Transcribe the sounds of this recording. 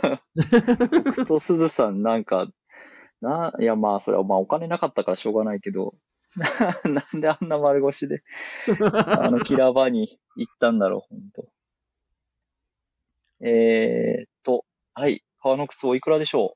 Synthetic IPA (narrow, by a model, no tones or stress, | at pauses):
okɯ̟ɯ̥t̪o̞sɨzɨsãnnãŋka̰ | najamaːso̞̰ɾḛβamao̞kane̞nakat̪ːakaɾaɕo̞ːɡanaike̞d̪o̞̰ | nanand̪e̞anːamaɾɯ̟ɡo̞ɕid̪e̞ | a̰no̞kʲiɾabaɲ̟i | it̪ːãnd̪aɾo̞̰hõ̞nt̪o̞ | e | t̪ːo̞ | haḭ | kaβano̞kɯ̥t͡sɨoikɯ̟ɾad̪e̞ɕo̞ː